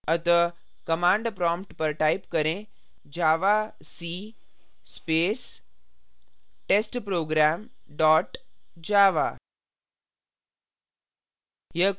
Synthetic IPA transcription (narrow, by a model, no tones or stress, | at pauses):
ət̪ə | kəmãːɳɖpɾɔːmpʈpəɾʈaipkəɾẽ | d͡ʑaːʋa | si | speːs | ʈesʈpɾoːɡɾaːmɖɔːʈd͡ʑaːʋa̰ | jə